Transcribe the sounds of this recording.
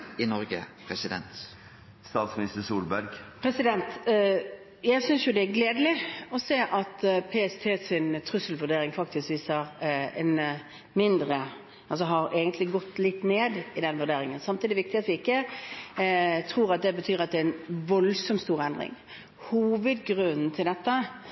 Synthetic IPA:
ɪnɔɾɡəpʰɾɛsɪd̪ɛ̰nt̪ | st̪ɑːt̪smɪnɪst̪əsuːlbæɾɡpʰɾɛsɪd̪ɛnt̪ | jæɪsʏnsjʊd̪ɛæɾɡleːd̪əlɪɔseːʔɑt̪pʰeːɛst̪ʰeːsɪnt̪ʰɾʉsəlʋʉɖ̪eːɾɪŋfɑkt̪ɪskʋiːsəʁɛ̰n | mɪnd̪ɾə | ʔɑls̬ɔɦɑɾeːɡənt̪ʰlɪɡɔt̪ːlɪt̪ːneːd̪ɪd̪ɛnʋʉd̪eːɾɪŋənsɑmt̪iːd̪ɪɛʋɪk̚t̪ɪɑt̪ʋɪɪkːə | t̪ʰʁuːʁɑt̪̚d̪ɛbət̪ʰyːɾɑt̪̚d̪ɛæɛnʋɔlsɔmt̪st̪uːʁəɛnd̪ɾɪ̰ŋ | huːʋəd̪ɡʁʉnn̩t̪ʰɪld̪ɛt̪ːə

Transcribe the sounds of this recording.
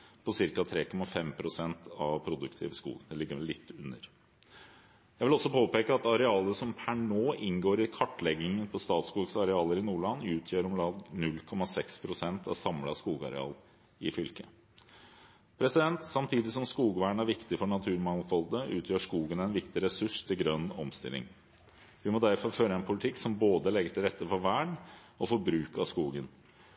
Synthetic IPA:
pʰɔsɪɾkɑt̪ʰɾeːkʰɔmɑfɛmpʰɾʊsɛnt̪ʰɑʋpʰɾʊd̪ʉkt̪ʰɪ̰ːʋskṵːɡnd̪ɛlɪɡːəɾɛlːɪt̪ːʉnːəɾ | jæɪʋɪlɔsːɔpʰoːpeːkəɑt̪ɑɾɛɑːləsɔmpʰæɳoːʔɪnɡoːɾɪkʰɑʈːlɛɡɪŋənpʰɔst̪ɑːt̪skuːɡsɑɾɛɑːləɾɪnuːɭɑnːʉːt̪ʰjøːɾɔmlɑːɡnʉlkʰɔmɑsɛkspʰɾʊsɛnt̪ʰɑ̰sɑmlɑskuːɡɑ̰ɾɛ̰ɑ̰ːl | ɪfʏlkə | pʰɾɛsɪd̪ɛnt̪sɑmt̪ʰiːd̪ɪsɔmskuːɡʋæːɳæɾʋɪkt̪ɪfɔɳɑt̪ʰʉːɾmɑŋfɔld̪əʉ̰ːt̪ʰjøːʂkuːɡənæɪnʋɪkt̪ɪɾɛsʉʂt̪ʰɪlɡɾœnːɔmst̪ɪ̰lɪ̰ŋ | ʋɪmɔd̪æɾfɔɾføːɾəɛnpʰʊlɪt̪ʰɪksɔmboːd̪əlɛɡːəʈ̪ʰɪlɾɛt̪ːəfɔɾʋæːɳ | ɔfɔɾbɾʉːkɑskuːɡən

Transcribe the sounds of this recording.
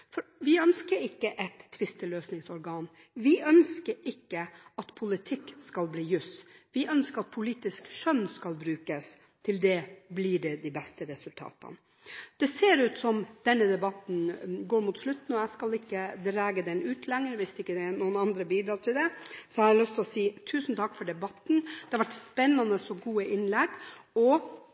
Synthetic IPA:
fɔɾʋɪœnskəɾɪkːəʔɛt̪ʰːʋɪst̪əløːsnɪŋsɔɾɡɑːn | ʋɪʔœnskəɾɪkːəɑt̪pʰʊlɪt̪ʰɪkːskɑlbliːjʉsʋɪʔœnskəɾɑt̪̚pʰʊliːt̪ɪskʂœnskɑlbɾʉːkəs | t̪ʰɪld̪ɛblɪɖɛd̪ibɛst̪əɾɛsʉlt̪ʰɑ̰ːt̪ɑ̰n | d̪̥ɛseːɾʉːt̪sɔmd̪̥ɛnːəd̪ɛbɑt̪n̩ɡoːɾmʊt̪slʉt̪ːn̩ɔɛɪskɑlɪkːəd̪ɾæːɡəd̪ɛnʉːt̪ʰlɛŋəɾʋɪst̪ɪkːəd̪ɛnuːənɑnd̪ɾəbiːd̪ɾɑːʈ̪ʰɪld̪ɛsɔhɑɾlʏst̪ʰɪlɔsiːt̪ʰʉːsn̩t̪ʰɑkːfɔɖɛbɑt̪n̩d̪̥ɛhɑɾʋæʈspɛnːɑnəsɔɡuːəʔɪnlɛɡɔ

